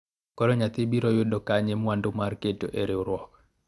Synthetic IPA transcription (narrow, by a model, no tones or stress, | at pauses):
kɔɾɔɲat̪ibiɾɔjodɔkaɲemwandomarketo̰ʔeɾeuɾwɔk